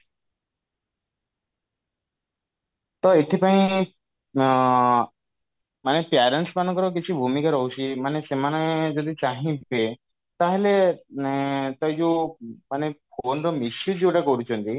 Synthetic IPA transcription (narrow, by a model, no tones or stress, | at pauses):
t̪ɔet̪ʰipaĩ | manepjaɾeɳʈspanɔ̃ŋkɔɾɔk̬it͡ʃʰibʱumikaɾɔɦut͡ʃʰimanesemanad͡ʒɔd̪it͡ʃãɦĩbe | t̪aɦele | t̪ɔjd͡ʒumanepʰonɾɔmisjud͡ʒioʈakɔɾut͡ʃʰɔnt̪i